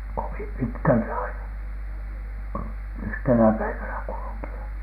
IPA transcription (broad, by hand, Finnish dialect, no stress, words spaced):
koʋim pitkæltæ ɑinɑ yhtenæ pæiʋænæ kulukiɑ